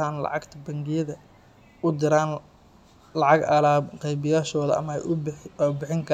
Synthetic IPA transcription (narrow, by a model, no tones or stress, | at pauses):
aːnlɑ̰ʕɑɡt̪ʰɐbɐŋɡɪjɐðɐ | ʊd̪ɪɾaːn | lɑʕɑɡɐlaːqɛjbɪjaːʃɔːðɐʔɐ̰mɐɛ̰abɪħɪŋkʰɐ